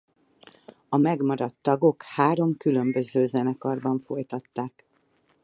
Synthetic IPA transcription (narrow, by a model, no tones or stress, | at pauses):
ɒmɛɡmɒɾɒt̪ːɒɡo̞khaːɾo̞mkylø̞mbø̞zøːzɛnɛkɒrbɒɱfo̞jt̪ɒt̪ːaːk